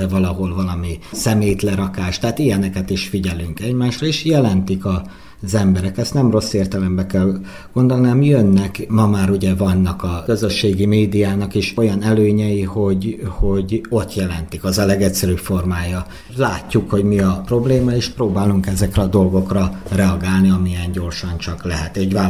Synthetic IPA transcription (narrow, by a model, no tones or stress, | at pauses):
ɛvɒlɒɦo̞lvɒlɒmisɛmeːjt̪lɛɾɒkaːʃt̪ɛaːt̪ijɛnɛkɛt̪iʃfiɟɛlyŋkɛɟmaːʃrɒeːʃjɛlɛnt̪ikɒ | zɛmbɛɾɛkɛst̪nɛmro̞sːeːrt̪ɛlɛmbɛkɛl | ɡ̥ond̪olniamjønːɛkmɒmaːɾuɟɛvɒnːɒkɒkøzø̞ʃːeːɡimeːd̪ijaːnɒkeʃo̞jɒnɛløːɲɛjiho̞ɟho̞ɟo̞t̪jɛlɛnt̪ikɒzɒlɛɡɛcsɛɾypfo̞rmaːjɒ | laːcːukho̞ɟmiɒpro̞bleːmɒeːʃproːbaːluŋkɛzɛkrɛɒd̪o̞lɡo̞krɒrɛɒɡaːlniɒmijɛnɟo̞rʃɒnt͡ʃɒklɛɦɛt̪eːʃvaː